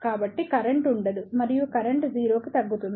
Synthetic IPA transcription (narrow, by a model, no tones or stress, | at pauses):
kaːbɐʈːikɐɾɐɳʈuɳɖɐd̪umɐɾijukɐɾɐɳʈd͡ʒiːɾo̞ːkit̪ɐɡːut̪un